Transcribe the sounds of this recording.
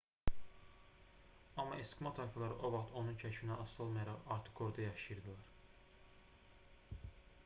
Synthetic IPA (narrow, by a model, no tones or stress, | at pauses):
ɑmːɑeskmɑt̪ʰɑjfɑlˠɑɾɯʔo̞vɑχt̪ʰo̞nunt͡ʃʰæcfinæɑsolˠmɑjɑɾɑʁɑɾt̪ʰɯ̥χɡo̞ɾd̪ɑjɑʃɯjɯɾd̪ɯlˠɑɾ